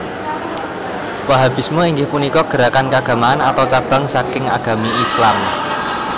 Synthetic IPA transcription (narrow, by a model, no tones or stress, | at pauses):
waɦab̥i̤smoiŋɡɪhpunikɔɡ̥ə̤ɾakankaɡ̥a̤maanat̪awt͡ʃab̥a̤ŋsakɪŋa̰ɡ̥a̤miʔislam